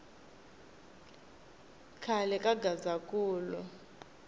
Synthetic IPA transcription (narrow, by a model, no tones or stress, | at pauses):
kʰalɛkʼaɡazakʼuːlu